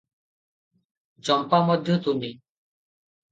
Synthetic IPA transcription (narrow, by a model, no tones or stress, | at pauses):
d͡ʒɔmpamɔd̪ʱjɔt̪umi